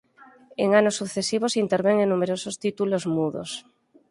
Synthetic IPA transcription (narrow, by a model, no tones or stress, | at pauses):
eŋanosːuθesiβ̞osint̪eɾβeŋenːumeɾosost̪it̪ulozmuðo̰s